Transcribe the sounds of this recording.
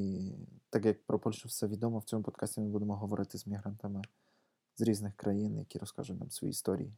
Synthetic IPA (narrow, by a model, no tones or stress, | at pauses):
it̪akjɐk̚pɾɔpɔlʲʃɛfsɛʋʲid̪ɔmɔwt͡sʲɔmupɔt̪kʰasʲtʲemɪbud̪ɛmɔɦɔʋɔɾʔɪt̪ɪzʲmʲiɦɾant̪ɐmɪ | zɾʲiznɪxkɾʔɐjinjɐ̰kʲiɾɔska̰ʒʊjʲna̰msvɔ̰jḭist̪ɔɾʲḭji